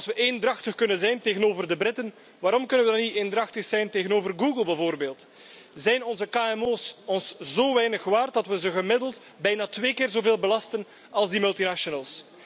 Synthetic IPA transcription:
ɑlˠsʋəʔendrɑxtəxkɵnənzɛjnteːɣənoːvərdəbrɪtən | ʋaːɾɔmkɵnənʋədɑnitendrɑxtəxsɛjnteːɣənoːvərɡuːɡəlˠbɛvoːrbeːlˠt | zɛjnɔnzəkaːɛmoːsɔnszoːʋɛjnəxʋaːr̚dɑtʋəzəɣəmɪdəlˠt | bɛjnaːtʋeːkɪːrzoːveːlˠbəlɑstən | ɑlˠzdimɵlˠtinaʃɔnəlˠs

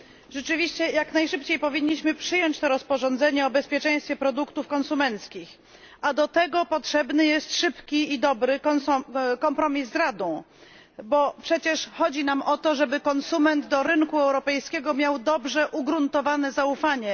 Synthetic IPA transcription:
ʐɛt͡ʂɘvʲiɕt͡ɕɛjaknajʂɘpt͡ɕejpɔvʲiɲːiɕmɘpʂɘjɔɲt͡ɕt̪ɔɾɔspɔʐɔnd̪zɛɲɛɔbɛspʲjɛt͡ʂɛ̃j̃st̪fʲɛpɾɔd̪ukt̪ufkɔnsumɛnt̪skʲix | ad̪ɔt̪ɛɡɔpɔtʂɛbnɘjɛst̪ʂɘpkʲiid̪ɔbɾɘk̪sɔkɔmpɾɔmʲizːɾad̪ɔ̃w̃ | bɔpʂɛt͡ɕɛʂxɔd͡ʑinamʔɔt̪ɔʐɛbɘkɔnsumɛnd̪d̪ɔɾɘŋkuɛwɾɔpɛjskʲɛɡɔmʲjawd̪ɔbʐɛʔuɡɾunt̪ɔvanɛzaufaɲɛ

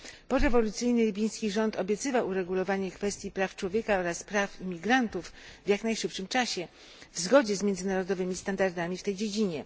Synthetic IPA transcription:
pɔɾɛvɔlut̪sɘjnɘlʲibʲij̃skʲiʐɔnt̪ɔbʲjɛt̪sɘvawuɾɛɡulɔvaɲɛkfɛst̪ʲjipɾaft͡ʂwɔvʲjɛkaɔɾaspɾafimʲiɡɾant̪ufvjaknajʂɘpʂɘmt͡ʂaɕɛ | vzɡɔd͡ʑɛzmʲjɛnzɘnaɾɔd̪ɔvɘmʲist̪and̪aɾd̪amʲift̪ɛjd͡ʑed͡ʑiɲɛ

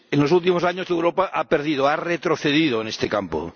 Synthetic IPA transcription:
enlosult̪̬imosaɲoewɾopaʔapeɾð̞ið̞oaret̪ɾoθeðiðoenest̪ekampo̰

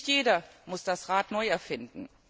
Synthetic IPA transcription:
tjeːdɐmʊsd̥asʁaːtnɔʏɛɐfɪndn̩

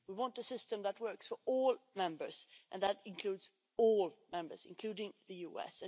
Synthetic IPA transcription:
wiwɑ̃ntɨsɪstɨ̃mðət̚wɜ˞ksfə˞ɔlˠmɛ̃mbə˞z̥ʔɨ̃nðəɾɪ̃nkʰl̥ʉdz | ɔlˠmɛ̃mbə˞z̥ɨ̰̃nkʰl̥ʉɾɪ̃ŋðɨjuɛ̰sɨ̃

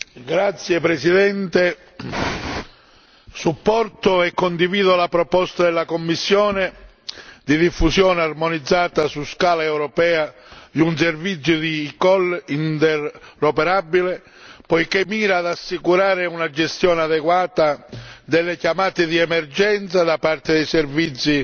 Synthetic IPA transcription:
ɡɾat̪sːjepɾɛsid̪ɛnt̪e | supːɔrt̪ʊɛkːond̪iviːðolapɾɔpɔst̪ad̪ɛlːakomːisːjɔːnɪ | d̪id̪ifːusjɔːnearmɔnid̪zːaːt̪asuskaːlaɛwɾɔpɛːa | d̪iuns̬ervit̪sːjʊd̪iːkɔlint̪ɛrːɔpɛɾabːile | pɔjkɪmiːɾaːd̪asːikuɾaːɾɪunad͡ʒɛst̪jɔːnaðɛkwaːt̪ad̪ɛlːɪkjamaːt̪ɪd̪iɛmɛrd͡ʒɛnt̪sad̪apart̪ɪd̪ɛjsɛrvit̪sːi

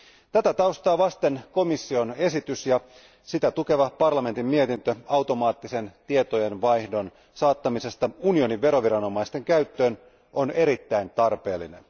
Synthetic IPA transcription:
t̪æt̪æt̪ɑust̪ɑːʋɑst̪e̞nko̞misːio̞nesit̪ysjɑ | sit̪æt̪uke̞ʋɑpɑrlɑme̞nt̪imːmie̞t̪int̪øɑwt̪o̞mɑːt̪ːise̞nt̪iet̪oje̞nʋɑjhdo̞n | sɑːt̪ːɑmise̞st̪ɑunio̞niʋʋe̞ɾo̞ʋiɾɑno̞mɑist̪e̞ŋkæyt̪ːø̞ːn | ʔone̞ɾit̪ːæint̪ɑrpe̞̰ːlːḭne̞̰n

